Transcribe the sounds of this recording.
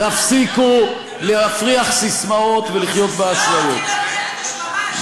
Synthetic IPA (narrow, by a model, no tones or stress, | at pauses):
afsiku | leafʁiaχsismao̞t̪veliχjo̞t̪̚beaslajo̞t̪̚